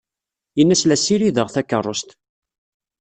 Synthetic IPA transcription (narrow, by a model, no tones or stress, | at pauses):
jənːæslæsiɾiðəʁθækːərˤːost̪